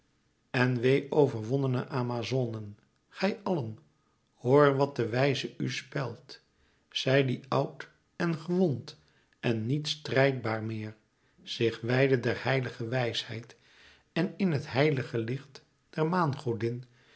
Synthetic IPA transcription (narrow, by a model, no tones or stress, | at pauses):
ɛnʋejʔowvəɹʋɔnənə̰ʔaːmazonən | χɛjʔɑlən | hoːɹʋɑt̚dəʋɛjzəʔyspɛlˠt | z̥ɛjdiʌwt | ɛnχəʋɔnt | ʔɛnːitstrɛjd̚baːɹmɪːɹ | z̥ɪχʋɛjdədɛɹhɛjləχəʋɛjshɛ̰jt | ɛnɪnɦətɦɛjləχəlɪχt | d̥ɛɹmaːnχowdɪn